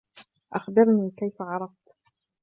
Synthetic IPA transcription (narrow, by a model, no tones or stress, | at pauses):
ʔaxbɪɾˤniːkajfaʕɑɾˤɑft̪